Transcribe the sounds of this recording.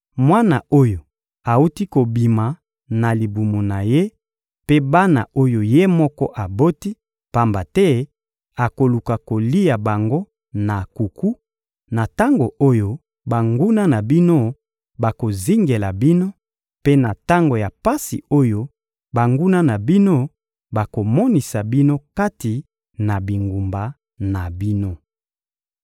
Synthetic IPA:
mwa˦na̰˨o˦jo˨ | a˨u˦ti˦ko˨bi˨ma˨ | na˨li˨bu˨mo˨na˨je˦ | pe˦ba˦na̰˨ʔo˦jo˨je˦mɔ˦kɔ̰˦ʔa˨bo˦ti˦ | pa˦mba˨tɛ˦ | a˨ko˨lu˨ka˨ko˨li˦ja˨ba˨ŋɡo˦ | na˨ku˨ku˦ | na˨ta˦ŋɡo˨ʔo˦jo˦ | ba˨ŋɡu˦na˦na˨bi˦no˦ | ba˨ko˨zi˦ŋɡe˨la˨bi˦no˦ | pe˦na˨ta˦ŋɡo˨ja˨pa˦sḭ˨o˦jo˦ | ba˨ŋɡu˦na˦na˨bi˦no˦ | ba˨ko˨mɔ˦ni˨sa˨bi˦no˦ka˦ti˨ | na˨bi˨ŋɡu˨mba˨ | na˨bi˦no˦

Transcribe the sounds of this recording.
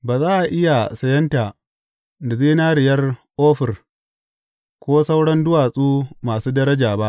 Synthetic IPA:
baː˨zaː˦ʔa˨ʔɪ˦ja˨sɐ˨jɐ˦ntaː˨ | dɐ˨zeː˦naː˦ɽɪ˨jɐ˦rʔoː˦ɸɪ˨r | kʷoː˦sa˦wɽɐ˦ndʊ˦waː˨sʼuː˦maː˨suː˦dɐ˦ɾɐ˦d͡ʒaː˨ba˦ʔ

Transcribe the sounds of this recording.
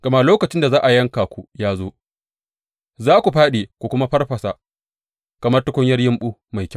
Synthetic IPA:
ɡ̥ɐ˨ma˦loː˦kɐ˨t͡ʃɪ˦nda˨zaː˦ʔa˨jɐ˦ŋkaː˨kʷu˦jaː˦zoː˦ | zaː˦kʷu˨ɸaː˦ɗeː˨kʷu˨kʷʊ˦ma˦ɸɐ˦rɸɐ˨sa˨ | kɐ˨mɐ˦tɐ˦kʷɔ˦ɲjɐ˦rjɪ˦mɓuː˦ma˨jkʲ

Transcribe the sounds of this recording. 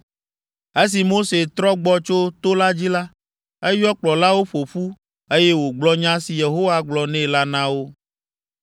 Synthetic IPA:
e˦s̬i˨mo˦se˨t̪ɾɔ˦ɡ͡bɔ˦t͡ʃo˦t̪o˦la˦d͡ʑi˦la˦ | e˦jɔ˦k͡plɔ˨la˦wo˦ɸo˨ɸu˦ | e˦je˦wo˨ɡ͡blɔ˦ɲã˦si˨je˨ɦo˦wa˦ɡ͡blɔ˨nɛ̃˦la˦nã˦wo˦

